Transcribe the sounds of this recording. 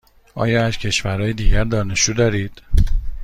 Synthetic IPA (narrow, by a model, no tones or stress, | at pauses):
ʔɒ̰ːjɒːæzcʰe̞ʃvæɾɒːjed̪iːɟæɾd̪ɒːne̞ʃt͡ʃuːd̪ɒːɾiːd̪̥